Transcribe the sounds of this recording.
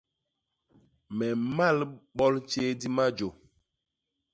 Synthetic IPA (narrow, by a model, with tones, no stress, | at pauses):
mɛ˨ma˦˨lɓɔ˦lt͡ʃe˦di˦ma˦d͡ʒo˨